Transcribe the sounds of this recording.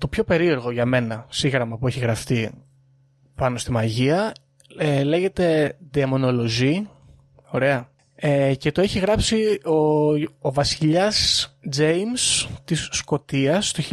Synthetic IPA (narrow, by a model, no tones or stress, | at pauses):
t̪o̞pço̞pe̞ɾie̞ɾɣo̞ʝɐme̞nɐsiɣɾɐmɐpueçiɣɾɐft̪i | pɐno̞st̪imɐʝiɐ | ele̞ʝe̞t̪e̞ðiɐmo̞no̞lo̞zi | o̞ɾe̞ɐ | ece̞t̪oe̞çiɣɾɐpsioovɐsiʎɐsd͡zejmst̪isːko̞t̪iɐst̪o